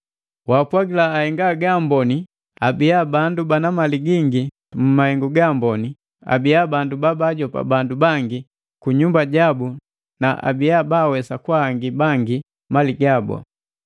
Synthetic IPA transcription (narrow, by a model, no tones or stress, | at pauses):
waːpwaɡilaːhɛŋɡaɡambɔni | abijabandubanamaliɡiŋɡi | m̩mahɛŋɡuɡambɔni | a̰biabandubabaɟɔpa̰bandubaŋɡi | kuɲumbaɟabu | naʔa̰bijabawɛsakwaŋɡibaŋɡi | maliɡabɔ̰